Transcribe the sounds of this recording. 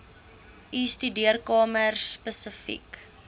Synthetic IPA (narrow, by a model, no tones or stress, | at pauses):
ʔistydiərkɑːmərspəsəfḭk